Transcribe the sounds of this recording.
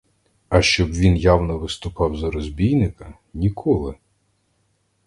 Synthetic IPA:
ɐʃt͡ʃɔbʋʲinjawnɔʋɪst̪ʊpɑwzɐɾɔzʲbʲijnɪkɐ | nʲikʰɔlˠɪ

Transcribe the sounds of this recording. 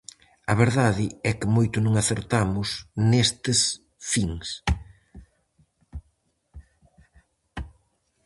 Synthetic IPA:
ɐβeɾðaðɪɛkɪmojt̪ʊnõŋaθeɾt̪amʊsnest̪ɪs | fiŋs

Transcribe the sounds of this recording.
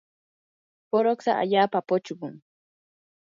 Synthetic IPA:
poɾoksa̰ʔa̰ʎaːpapʊt͡ʃɢʊŋ

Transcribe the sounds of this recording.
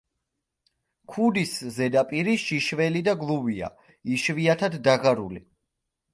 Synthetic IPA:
kʰud̪iszɛd̪apʼiɾiʃiʃvɛlid̪aɡlˠuvia̰ | iʃviat̪ʰad̪ːaʁaɾṵlḭ

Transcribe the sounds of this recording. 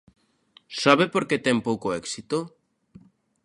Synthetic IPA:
saβepoɾket̪ɛŋpowkoɛksit̪o

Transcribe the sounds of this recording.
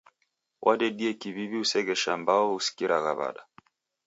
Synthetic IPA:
wʔaɗɛɗiɛkiβiβiusɛɣɛʃambaɔusi̥kiɾʔaɣa̰βa̰ɗa

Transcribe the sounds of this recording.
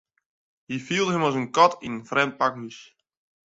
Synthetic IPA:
hifilˠdɦəmɔlˠzənkɔtinəfrɛmt̚pakɦys

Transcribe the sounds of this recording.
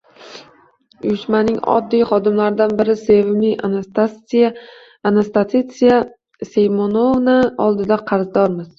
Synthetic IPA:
ʊjɪʃmanɪŋɒ̰d̪ːijχɒd̪ɪmlaɾɪd̪anbɪɾɪse̞vɪmɪ | anast̪at̪it̪sija | sejmonovnaɒlˠd̪ɪd̪aqʰɑɾzd̪ɒɾmɪz̥

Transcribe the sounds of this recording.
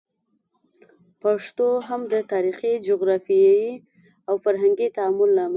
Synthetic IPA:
paʂt̪oɦamd̪ət̪ɑɾixid͡ʒʊɣɾɑfiai | awfaɾɦaŋɡit̪aːmʊlːama

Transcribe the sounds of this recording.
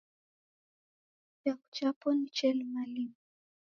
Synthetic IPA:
jaku̥t͡ʃapɔnit͡ʃɛlmalim

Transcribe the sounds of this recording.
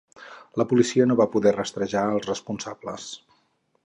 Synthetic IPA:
ləpulisiənoβapuðɛrəst̪ɾəʒaəlˠzrəspunsablə̰s

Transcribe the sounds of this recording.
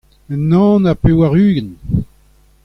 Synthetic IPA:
ənːɑ̃ːnapewaʁyːɡən

